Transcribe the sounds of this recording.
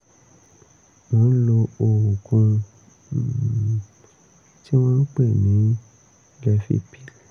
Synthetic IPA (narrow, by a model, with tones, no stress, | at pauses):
w̃ɔ̃˨˦n̩˦lo˧o˨wu˨kũ˧˨ | ti˦w̃ɔ̃˦n̩˦k͡pe˦˨nĩ˨˦ | lɛ˧fḭ˦pi˦˨l